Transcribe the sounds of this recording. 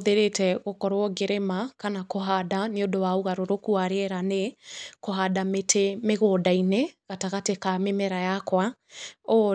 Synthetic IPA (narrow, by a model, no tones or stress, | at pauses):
ðeɾetɛɣokɔɾwɔɣeɾemakanakoɦadaneodowauɣaɾoɾokuaɾeɛɾanekoɦadametʰemeɣoːdaineɣataɣatekamemɛɾajakwao